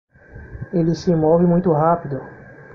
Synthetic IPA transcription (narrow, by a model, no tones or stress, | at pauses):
elɪsɪmovɪmũj̃t̪ʊɦapid̪ʊ